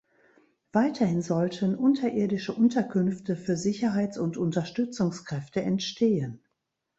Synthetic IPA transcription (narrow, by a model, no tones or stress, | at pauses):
v̥aɪtʰɐhɪnzɔltʰənʔʊntʰɐʔeːɐdɪʃəʔʊntɐkʰʏnftəfyːɐzɪçɐɦaɪt͡sʊntʊntɐʃtʏt͡sʊŋskʁ̥ɛftəɛntʃtʰeːən